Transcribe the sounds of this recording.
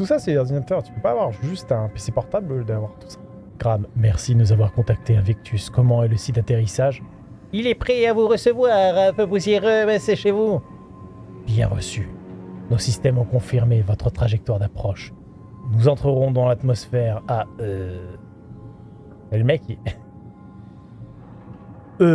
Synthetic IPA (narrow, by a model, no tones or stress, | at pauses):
t̪usasɛɔʁd̪inat̪œʁt̪y̥pøpaːvwaʁʒyst̪ɛ̃pisɛpɔʁt̪abld̪avwaʁt̪u̥sḁ | ɡ̥ʁammɛʁsid̪ənuzavwaʁkɔ̃t̪ak̚t̪eɛ̃vekt̪ʰyskɔmɑ̃ɛləsit̪at̪eʁisaʒ | ilɛpχɛavuʁəsəvwaʁpøvusiʁəbaseʃevu | bjɛ̰̃ʁə̰synosist̪ɛmɔ̃kɔ̃fiʁmevɔt̪χət̪χaʒɛk̚t̪waʁd̪apχɔʃ | nuzɑ̃t̪χəʁɔ̃d̪ɑ̃lat̪mɔsfɛʁaø | ɛlmɛkʲiɛ | ø